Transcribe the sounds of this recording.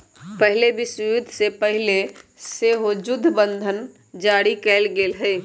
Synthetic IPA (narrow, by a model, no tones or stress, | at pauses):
pəɦɪlebɪsjʊd̪ʱsepəɦɪleseːɦod͡ʒʊd̪ʱːbə̃nd̪ʱən | d͡ʒaːɽikɛːlɡeːlɦɛː